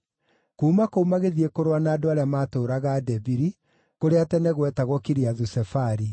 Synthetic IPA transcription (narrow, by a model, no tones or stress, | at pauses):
kuːmakoumaɣeðiekoɾwanaːdoaɾeamaːtoːɾaɣadɛviɾi | koɾeatɛnɛɣwɛtaɣwɔkiɾiaðusɛfaɾi